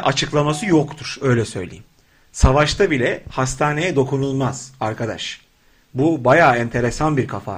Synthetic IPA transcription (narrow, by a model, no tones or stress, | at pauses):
ʔat͡ʃʰɯklˠamasɯjokt̪ʰuɾ̥ø̞jlʲɛsø̞̰jlʲḛjim | savaʃt̪ʰabilʲɛhast̪ʰaːne̞jɛd̪o̞kunulˠmaz̥aɾkʰad̪a̰ʃ | bubajaːɛnt̪ʰe̞ɾe̞sanbiɾkʰafa̰